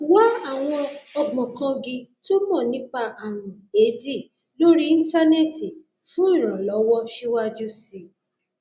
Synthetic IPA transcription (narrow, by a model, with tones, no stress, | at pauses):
wa˦a˦˨w̃ɔ̃˧ɔ˧ɡ͡bɔ̃˨kã˧ɡĩ˧to˦mɔ̃˦˨nĩ˨˦k͡pa˧ʔa˨nũ˨e˨˦di˦˨ | lo˦ɾi˦ĩ˦ta˦ne˦˨ti˨ | fũ˦ĩ˦˨ɾ̃ã˨lɔ˨˦wɔ˦ʃi˦wa˦d͡ʒu˦si˦˨